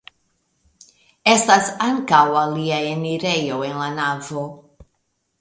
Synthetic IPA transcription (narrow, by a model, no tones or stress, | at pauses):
estasaŋkawaliaeniɾejo̞e̞nlanavo